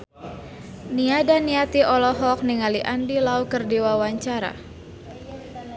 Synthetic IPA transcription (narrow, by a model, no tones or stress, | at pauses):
niadaniat̪iʔɔlɔɦɔk̚niŋaliʔandilaukərdiwawaɲt͡ʃaɾa̰